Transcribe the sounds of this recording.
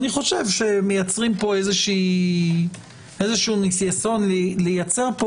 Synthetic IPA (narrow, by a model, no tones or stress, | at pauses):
niχo̞ʃevʃe̞mejat͡sʁimpo̞ezeʃiː | ezeʃunisjaso̞nllejat͡seʁpo